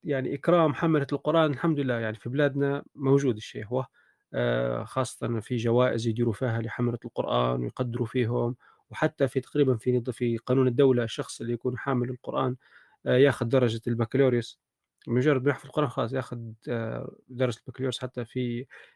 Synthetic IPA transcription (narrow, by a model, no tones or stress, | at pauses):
jaʕnḭʔɪkɾˤɑːmħamalalqʊɾˤʔaːnɪlħamd̪ʊlɪlːæːjaʕnifiblæːd̪namowʒuːd̪ɪʃːeihwa | xɑːsˤːɑ̥t̪ˤɑnfiʒawæːʔɪzjd̪iːɾufiːɦalɪħamalalqʊ̰ɾʔa̰ːnwɪ̰jqɑd̪ːɪɾufiːɦʊm | wħat̪ːafit̪ɑ̥qɾiːbanfifiqɑːnuːnɪd̪ːawlaʃːɑxsˤʔɪlːijakuːnħaːmɪlɪlqʊɾˤʔaːn | jaːxʊd̪ːɑɾˤːɑʒalbakluɾs | mʊʒɑrˤːɑd̪mnaħfilqʊɾʔɑːnxɑɑːs̬ˤjaːxʊd̪ | d̪ɑɾˤɑʒat̪lbakloːɾsħat̪ːafi